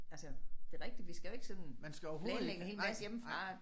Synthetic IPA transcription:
ælsəd̥e̝ʁɛɡ̥̚d̥id̥ʋisɡ̥æjoe̝ɡ̥sɒ̽nmænsɡ̥æɒʊɐɦo̝ːðˠeɡhe̝ːlmæsjem̩fʁɑ

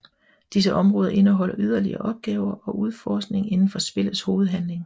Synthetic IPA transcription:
d̥is̬əʔɒ̽mʁɔ̽ːðˠɐʔe̝nəɦɒ̽l̰ɐʔyð̞ˠɐliɐːʔɒ̽b̥̚ɡ̥ɛːʊɐʔɒ̽ʔuð̞ˠfɒːsɡ̥ne̝ŋe̝nn̩fɒ̽sb̥e̝l̰ð̩ˠsho̝ːð̞̩ˠɦænle̝ŋ

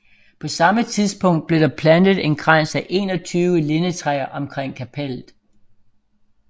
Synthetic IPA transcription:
pʰɒ̽sɑ̈mət͡sʰiðˠsb̥ɔ̽ŋ̰d̥̚b̥le̝ɾ̥ɑ̈pʰlænð̞̩ˠe̝nɡ̥ʁan̰sæʔe̝ːnɒ̽t͡sʰyːʋəle̝nət͡sʰʁɛːɐʔɒ̽mkʰʁeŋ̰kʰæpʰel̰ð̩ˠ

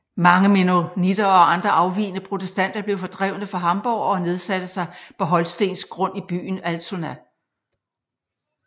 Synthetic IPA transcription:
mɑ̈ŋəmenonid̥ɐɒ̽ɑ̈nd̥ʁɐʔɑ̈ʊʋḭːnəpʰʁo̝t͡sʰesd̥æn̰d̥ɐb̥le̝ʊfɒ̽d̥ʁɛʊnəfɑɦɑ̈mb̥ɒʊ̰ɒ̽ne̝ð̞ˠsæd̥əsɑ̈ɪpʰɒ̽ɦɒ̽lsd̥e̝̰ːnsɡ̥ʁɔ̽n̰ib̥y̰ːn̩ælt͡sʰonæ

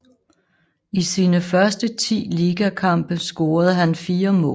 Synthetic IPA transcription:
isiːnəfɶɐsd̥ət͡sʰḭːliːɡ̥ækʰɑ̈m̰b̥əsɡ̥ɔ̝ːɐð̞̩ˠɦænfiːɐmɔ̰ː

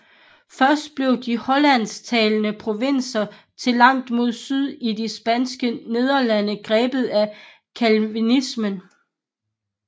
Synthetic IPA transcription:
fɶɐsd̥̚b̥le̝ʊd̥ihɒ̽læn̰st͡sʰɛːlnəpʰʁo̝ʋen̰sɐ | t͡sʰe̝lɑ̈ŋ̰d̥mo̝ð̞̰ˠsyð̞ˠid̥isb̥ænsɡ̥əne̝ð̞ˠɐlænəɡ̥ʁɛːb̥ð̞̩ˠæ | kʰælʋinismən

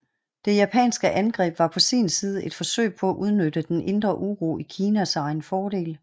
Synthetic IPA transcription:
d̥e̝jæpʰɛ̰ːnsɡ̥əʔænɡ̥ʁɛ̰ːb̥ʋɑ̈pʰɒ̽sḭːnsiːð̞̩ˠe̝d̥fɒ̽sø̰ɪpʰɒ̽æʔuð̞ˠnød̥əd̥enʔe̝nd̥ʁɐʔuʁo̰ikʰiːnæsɑ̈ɪnfɒːɾe̝̰ːl

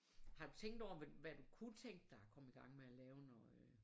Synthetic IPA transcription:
hɑ̈d̥ut͡sʰeŋ̰ɡ̥d̥ɒʊ̰ɐʋʋæd̥ukʰut͡sʰeŋ̰ɡ̥̚d̥ːɑ̈hɑkʰɒ̽m̩iɡ̥ɑ̈ŋ̰meælɛːʊnɒ

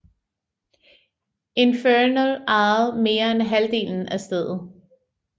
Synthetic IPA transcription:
e̝nfønəlɑ̈ð̩ˠme̝ːɐenɦæld̥e̝̰ːln̩æsd̥eð̰ˠð̩ˠ

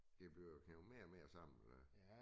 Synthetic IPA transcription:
eb̥likʰæome̝ːɐmeːɐsɑ̈m̰n̩elɐ

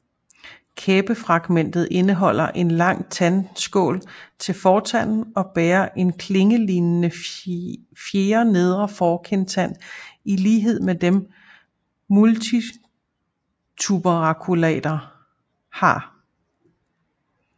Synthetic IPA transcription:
kʰeːb̥əfʁɑ̈ɡ̥men̰d̥ð̞̩ˠʔe̝nəɦɒ̽l̰ɐʔe̝nlɑ̈ŋ̰t͡sʰænsɡ̥ɔ̰̽ːlt͡sʰe̝lfɒːt͡sʰæn̰n̩ɒ̽b̥eːɐʔe̝nkʰle̝ŋəlinnə | fje̝ːɐne̝ð̞ˠʁɐfɒːkʰent͡sʰæn̰iliːɦe̝ð̰ˠmed̥em | mult͡sʰi | t͡sʰub̥əʁɑ̈kʰulɛ̰ːd̥ɐ | hɑ̈

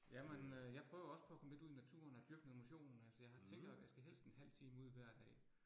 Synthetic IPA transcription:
jæmenøjɑ̈ɪpʰʁœːʊɐɒ̽sə̥pʰɒ̽ækʰɒ̽məle̝duðˠinæt͡sʰṵːɐnæd̥yɐɡ̥nðˠemo̝ɕo̝̰ːnn̩ælsɒjɑ̈ɪht͡sʰeŋ̰ɡd̥jasɡ̥æɦel̰sd̥enɦæl̰t͡sʰiːməuð̞̰ˠʋæɐ̰d̥ɛ̰ː

